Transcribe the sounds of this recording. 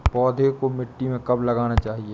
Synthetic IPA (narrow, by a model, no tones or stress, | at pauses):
pɔːd̪ʱekomɪʈːimẽkɐblɐɡaːnat͡ʃaːɦie